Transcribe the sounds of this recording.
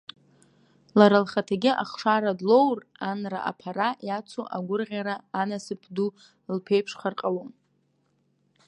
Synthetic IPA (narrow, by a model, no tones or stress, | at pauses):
laɾalχatʰaɡʲɪʔaχʂaɾadlo̞wranra̰ʔa̰pʰaɾajat͡sʷʰoʔaɡʷʊrʁʲaɾaːnasɨpʰdu | lpʰejpʰʂχarqʼalon